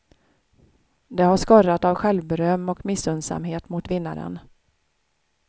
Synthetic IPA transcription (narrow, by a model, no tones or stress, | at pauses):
d̪ɛhaʂkɔɾat̪avɧɛlvbɛɾœmːɔkmɪsːɵnsa̰mɦeːt̪mʊt̪vɪnːa̰ɾə̰n